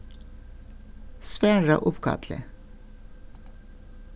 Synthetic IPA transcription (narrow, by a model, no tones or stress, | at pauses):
sʋæːɹɑʔʊpkʰɑ̰t̪ʰlə̰